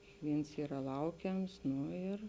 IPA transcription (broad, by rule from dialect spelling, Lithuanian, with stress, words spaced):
kʲɪkˈʋʲiːns ˈiːrɐ ˈlˠɐʊkʲɛms ˈnʊ ɪr